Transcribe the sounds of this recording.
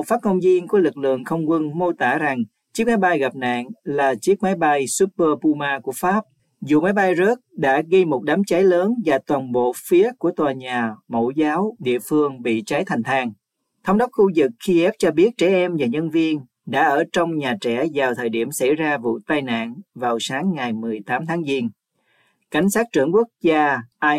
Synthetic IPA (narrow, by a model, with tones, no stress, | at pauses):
faː˦˥t̚ŋə˧wŋ͡mzi˧ənku˧˩əlɨ˨˩k̚lɨ̰˧˨əŋxə˧wŋ͡mkwə˧nmo˧t̪a̰ː˧˩za˨˩ŋ | t͡ɕi˦˥ək̚ma˨˦jɓa˧jɣa˨˩p̚na̰ː˧˨ŋlaː˨˩t͡ɕi˦˥ək̚ma˨˦jɓa˧jsu˦˥p̚pəː˧pu˧maː˧ku˧˩əfaː˦˥p̚ | zu˨˩ma˨˦jɓa˧jzə˦˥t̚ɗa̰ː˧˥ɣə˧jmo˨˩t̚ɗaː˨˦mt͡ɕa˨˦jləː˨˦nvaː˨˩t̪waː˨˩nɓo̰˧˨fi˨˦əku˧˩ət̪waː˨˩ɲaː˨˩mo̰˧˩zaː˨˦wɗḭ˧˨əfɨ˧əŋɓḭ˧˨t͡ɕa˨˦jt̪ʰa˨˩ŋ̟t̪ʰaː˧˩ŋ | t̪ʰə˧˦wŋ͡mɗə˦˥k͡p̚xu˧zɨ˨˩kxːi˧ʔɛ˦˥p̚t͡ɕɔ˧ɓi˦˥ət̚t͡ɕɛ˧˩ʔɛ˧mvaː˨˩ɲə˧nvi˧ən | ɗa̰ː˧˥ʔəː˧˩t͡ɕɔ˧wŋ͡mɲaː˨˩t͡ɕɛ˧˩zaː˨˩wt̪ʰəː˨˩jɗi˧˩əmsa˧˩jzaː˧vṵ˧˨t̪aː˧jna̰ː˧˨nvaː˨˩wsaː˨˦ŋːa˨˩jmɨ˨˩əjt̪aː˨˦mt̪ʰaː˨˦ŋzi˧n | ka˧˩jŋ̟saː˦˥t̚t͡ɕɨ̰˧˩əŋku˦˥ək̚zaː˧ʔaː˧j